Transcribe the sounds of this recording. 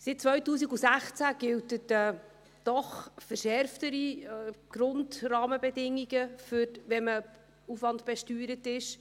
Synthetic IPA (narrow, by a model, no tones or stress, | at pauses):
sɪt̚t͡sʋœɥtuːs̬iɡusæχt͡sæɡ̥ɪltətə | d̥ɔχfəɾʃɛɾftəɾiɡ̥ɾʊndrɑːməbɛdɪŋːiɡəfʏɾʋɛmə | ufʋɑntb̥ɛʃtyːɾətɪʃ